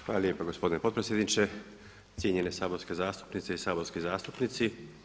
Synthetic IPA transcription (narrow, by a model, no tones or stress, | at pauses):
xʋaːlaljepaɡo̞spo̞d̪inepot̪pɾesjed̪nit͡ʃe̞ | t̪sjeɲe̞ne̞saːbo̞ɾskezaːst̪u̥pnit̪seisaːbo̞ɾskizaːst̪upnit̪si